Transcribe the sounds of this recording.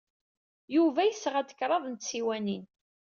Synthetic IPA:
juvæjəsːʁæd̪ə̥kɾˤɑðˤnt̪siwænin

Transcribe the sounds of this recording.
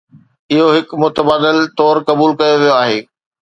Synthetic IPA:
ɪɦoɦɪkmʊt̪əbaːd̪ɪlt̪ɔːɾkɐbuːlkɐjoʋijoaːɦeː

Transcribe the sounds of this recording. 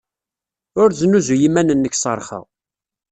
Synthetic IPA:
ʊɾzənuzujimænənːəçsˤə̰ɾˤχə̰ʁ

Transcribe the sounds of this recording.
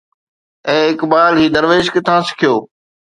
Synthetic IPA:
ẽːɪkbaːlɦiːd̪əɾʋeːʃkət̪ʰãːsɪ̥kʰɪjoː

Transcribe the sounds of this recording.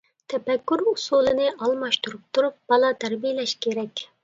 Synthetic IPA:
t̪ʰɛpɛkʲːyɾusulˠɨnɪɑlˠmɑʃt̪uɾup̚t̪ʰuɾup̚b̥ɑlˠɑt̪ʰæɾbijlɛʃkʲʰeɾɛkʲ

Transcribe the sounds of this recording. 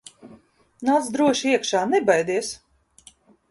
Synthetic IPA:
naːt̪sd̪ɾuɔʃiɛkʃaːnɛbajd̪iɛs

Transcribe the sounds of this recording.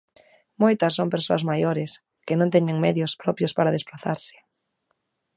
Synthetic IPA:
mojt̪ɐsːoŋmpeɾsoazmajoɾɪs | kɪnõnt̪ɛɲeŋmɛðjʊspɾɔpjʊspaɾaðespɾaθa̰ɾsɪ̥

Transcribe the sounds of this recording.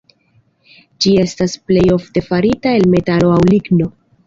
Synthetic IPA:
d͡ʒie̞stasple̞jo̞fte̞faɾitae̞lme̞talo̞awliɡno̞

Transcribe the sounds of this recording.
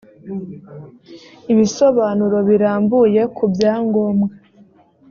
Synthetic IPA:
iβiso̞βaːnuɾo̞βiɾaːmbuje̞kʰubjaːŋɡo̞mŋe

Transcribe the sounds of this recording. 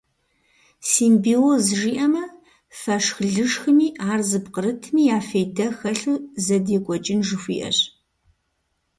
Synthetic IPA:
simbiozʒiːʔɐmɐ | fɐʂxɮɨʂxɨmiːaːrzɨpqəɾɨtʰmiːjaːfejdɐxɐɬɨzɐdeːkʷʼɔt͡ʃʼɪnʒɨxʷḭːʔɐ̰ɕ

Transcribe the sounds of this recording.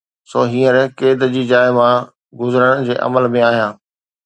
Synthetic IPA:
soːɦĩːəɾkeːd̪d͡ʑiːd͡ʑaːɪmã | ɡʊzəɾəɽ̃d͡ʑeːʔɐ̰məlmẽaːɦijãː

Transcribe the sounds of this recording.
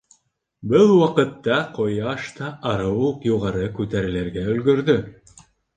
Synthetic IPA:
bɘlˠwɑqɤ̆t̪ːɑqojɑʃt̪ɑʔɑɾɤwuqjuʁɑɾɤkʉt̪æɾɘ̆lɘɾɡæɵ̆lɡɵ̆ɾðɵ

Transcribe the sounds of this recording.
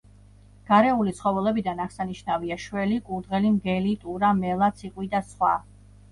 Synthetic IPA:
ɡ̥aɾɛulit̪sχɔvɛlɛbid̪anaʁsaniʃnaviaʃwɛlikʼuɾd̪ʁɛlimɡɛlit̪ʼuɾamɛlˠat̪sʰiqʼwid̪asχwa̰

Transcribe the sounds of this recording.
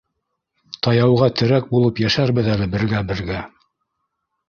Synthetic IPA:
t̪ɑjɑwʁɑt̪ʰɘ̆ɾæk̚bulˠɤpjæʃæɾbɘðælɘbɘ̆ɾɡæbɘ̆ɾɡæ

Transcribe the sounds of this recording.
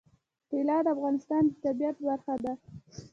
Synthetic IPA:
t̪elɑd̪afɣɑnɪst̪ɑnd̪ət̪abijat̪baɾxad̪a

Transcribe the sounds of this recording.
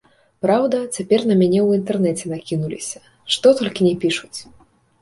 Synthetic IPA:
pɾawd̪ɐt͡sʲapʲɛrnɐmʲanʲɛwint̪ɛrnɛt͡sʲɛnakʲinulʲḭsʲɐ̥ | ʂt̪ɔt̪ɔlʲkʲinʲɛpʲiʂut͡sʲ

